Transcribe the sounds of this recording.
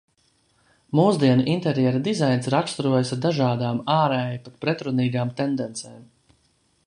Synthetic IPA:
muːzd̪iɛnuʔint̪ɛɾjɛɾad̪izajnsɾakst̪ɾuɔjasaɾd̪aʒaːd̪aːmaːɾɛːjpat̪̚pɾɛt̪ɾuniːɡaːmt̪ɛnd̪ɛnt̪sɛːm

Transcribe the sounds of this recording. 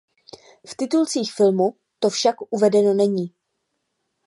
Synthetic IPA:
ft̪ɪt̪ult͡siːxfɪlmu | t̪o̞fʃakʔuvɛdɛno̞nɛɲiː

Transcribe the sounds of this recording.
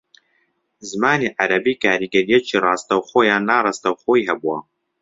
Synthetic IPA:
zɨmaːniʕaɾɐbiːkʰaːɾiːɡɐɾijɛt͡ʃʰiːrɑːst̪ɐwxoːjaːnːaːrˤɑst̪ɐwxoːjihɛbuwɐ

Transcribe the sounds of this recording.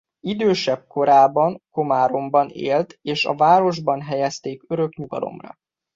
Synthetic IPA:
id̪øːʃɛb̚ko̞ɾaːbɒŋko̞maːɾo̞mbɒnḛːlt̪eːʃɒ̰vaːɾo̞ʒbɒnɦɛjɛst̪eːkøɾø̞kɲuɡɒ̰lo̞̰mrɒ̰

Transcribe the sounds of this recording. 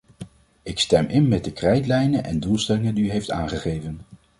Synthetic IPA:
ɪkstɛmʔɪnmɛt̚dəkrɛjtlɛjnənʔɛ̰ndulˠstɛlɪŋəndiyɦejfta̰ːnχəχejvən

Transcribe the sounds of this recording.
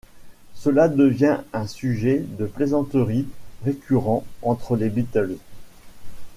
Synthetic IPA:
səlad̪əvjɛ̃ɛ̃syʒɛd̪əplezɑ̃t̪əʁiʁekʲʰyʁɑ̃ɑ̃t̪χəlebit̪œlz

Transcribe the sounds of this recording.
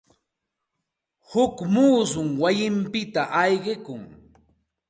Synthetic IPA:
hʊkmuːsʊŋwajɪmpɪt̪aʔɑjɢɪkʊŋ

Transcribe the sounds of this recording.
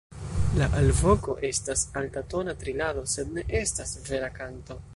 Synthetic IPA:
laʔalvo̞ko̞ʔe̞stasaltato̞natɾilado̞se̞dne̞ʔe̞stasve̞ɾakanto̞

